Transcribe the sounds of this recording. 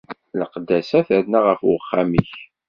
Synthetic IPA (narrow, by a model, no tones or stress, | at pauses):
ləqd̪ːæsæθæɾnaʁəfʊəχːamiç